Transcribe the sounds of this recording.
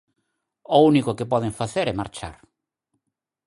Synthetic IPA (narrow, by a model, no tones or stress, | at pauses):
ounikʊkɪpɔðeɱfaθeɾɛmaɾt͡ʃa̰ɾ